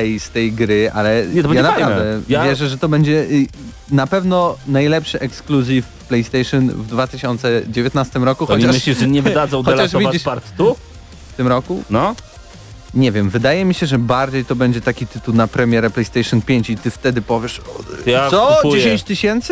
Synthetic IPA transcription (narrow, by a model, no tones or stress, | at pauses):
ɛjst̪ɛjɡɾɘʔa̰lɛɲɛt̪ɔbjanapavd̪ɛjvavjɛʐɛʐɛt̪ɔbɛɲd͡ʑɛʔ | napɛvnɔnajlɛpʂɘʔɛkskluzʲif | plɛjst̪ɛjʂɨnvd̪vat̪ɘɕɔnt̪sɛd͡ʑevʲjɛt̪̚nast̪ɘmɾɔkuxɔɲt͡ɕamɘɕlʲiɛɲɛvɨd̪azɔ̃wdxɔɛlaʂɔvʲiad͡ʑipaɾt̪t̪u | ft̪ɘmɾɔkunɔ | ɲɛvʲjɛmvɘd̪ajɛmʲiɕɛʐɛbaɾd͡ʑejt̪ɔbɛɲd͡ʑɛt̪akʲit̪ɘt̪uwnapɾɛmʲjɛɾɛplɛjst̪ɛjʂɔnpʲjeɲt͡ɕit̪ɘft̪ɛd̪ɘpɔvʲjɛʂɔ̰jasɔd͡ʑeɕẽɲt͡ɕt̪ɘɕɛnt̪s